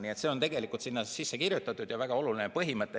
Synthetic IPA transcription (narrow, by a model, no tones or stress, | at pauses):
nie̞t̪seont̪e̞ɡ̥e̞likˑult̪sinːɑsisːekirjut̪ːˑɑt̪ːˑud̪̥jɑvæɡ̥ɑo̞lulinepɤɦimɤt̪ːˑe